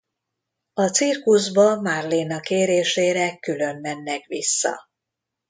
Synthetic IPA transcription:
ɒt̪sirkuzbɒmarlinɒkeːɾeːʃeːɾɛkylø̞mːɛnːɛkʋisːɒ̰

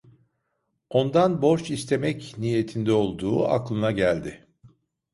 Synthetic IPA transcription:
o̞nd̪anbo̞ɾt͡ʃist̪ʰe̞mɛcnije̞t̪ʰind̪ɛo̞lˠd̪uːa̰klˠɯnaɟælʲd̪ɪ

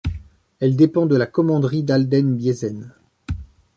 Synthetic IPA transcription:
ɛld̪epɑ̃d̪əlakɔmɑ̃d̪ʁid̪ald̪ɛnbjezɛn

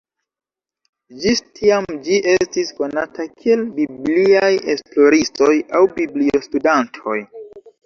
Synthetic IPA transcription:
d͡ʒistʰiamd͡ʒiʔe̞stisko̞na̰takʰie̞lbibliaje̞splo̞ɾisto̞jawbiblio̞studantʰo̞̰j

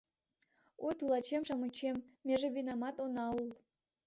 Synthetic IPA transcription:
ot̪ulˠɑt͡ɕemʃɑmut͡ɕemːeʒevʲinamɑt̪onɑulˠ

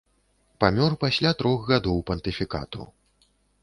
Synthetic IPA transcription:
pamʲɔrpasʲlʲat̪ɾɔxɣad̪ɔwpɐnt̪ɨfʲika̰t̪ṵ

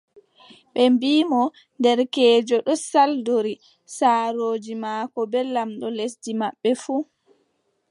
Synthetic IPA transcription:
ɓɛmbiːmɔ | ndɛɾkɛːd͡ʒɔɗɔsaldoɾi | saːɾoːd͡ʒimaːkɔbɛlamɗɔlesdimaɓːɛfu

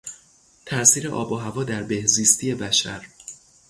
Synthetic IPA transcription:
t̪ʰæɾsiːɾeʔɒ̰ːbɒːɦævɒːd̪æɾbe̞hziːst̪ʰije̞bæʃæ̰ɾ

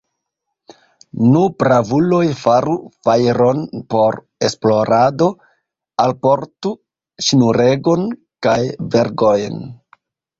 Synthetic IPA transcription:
nupɾavulo̞jfaɾufajɾo̞npo̞ɾ | esplo̞ɾado̞ | alpo̞ɾtu | ʃinuɾe̞ɡo̞n | kajve̞ɾɡojn

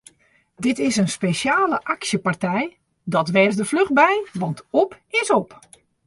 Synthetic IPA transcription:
dɪtɪsənspeʃjaːləʔaksjəpartɛj | dɔtʋɛrzdəfløχ̚bɛjʋɑntɔpɪsɔp

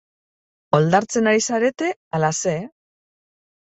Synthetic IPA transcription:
o̞ld̪aɾt͡se̞naɾisaɾe̞t̪e̞alase̞

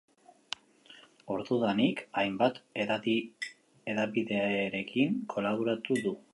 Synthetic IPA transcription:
o̞ɾðuðanikajmbat̪ | e̞ðaβiðe̞aɾe̞kʰiŋkʰo̞laβoɾat̪uðu

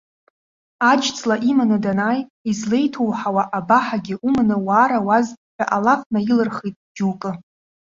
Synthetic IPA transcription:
ad͡ʒt͡sʼlaʔimanɨdanaːjizle̞jtʰowħawaʔabaħaɡʲɪʔumnɨwaːɾawazħʷᶣa̰ʔalafnailɨrχijtʼd͡ʒukʼɨ

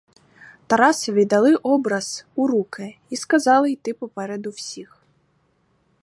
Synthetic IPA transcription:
t̪ɐɾɑsɐʋʲid̪ɐlˠɪʔɔbɾɐz̥uɾukɪiskɐzɑlˠɪjt̪ɪpɔpɛɾed̪ʊwsʲix

